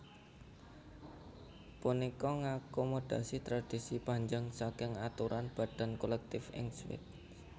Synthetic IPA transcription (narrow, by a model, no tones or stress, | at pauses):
punikɔŋakomod̪̥a̤sit̪ɾad̪̥isipaɲd͡ʒaŋsakɪŋat̪uɾʔanb̥ä̤ɖ̪̥a̤nkolɛk̚t̪ɪfɪ̰ŋswɪ̰t̪̚